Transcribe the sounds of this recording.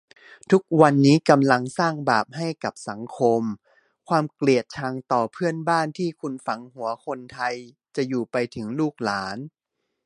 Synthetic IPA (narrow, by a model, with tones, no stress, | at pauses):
t̪ʰu˦˥k̚wa˧nːiː˦˥ka˧mla˧ŋsaː˥˩ŋbaː˨˩p̚ha˥˩jka˨˩p̚sa˩˦ŋkʰo˧m | kʰwaː˧mkli˨˩ət̪̚t͡ɕʰaː˧ŋt̪ɔː˨˩pʰɯ˥˩ənbaː˥˩nt̪ʰiː˥˩kʰu˧nfa˩˦ŋɦu˩˦ɐkʰo˧nt̪ʰa˧j | t͡ɕa˨˩juː˨˩pa˧jt̪ʰɯ˩˦ŋluː˥˩k̚laː˩˦n